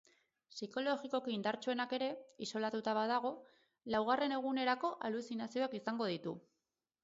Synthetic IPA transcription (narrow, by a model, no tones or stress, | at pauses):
siko̞lo̞ɣiko̞kiind̪aɾt͡ʃuenake̞ɾe̞iso̞lat̪ut̪aβaðaɣ̞o̞ | lawɣare̞ne̞ɣ̞une̞ɾako̞ʔalusinasio̞akisaŋɡo̞ðit̪u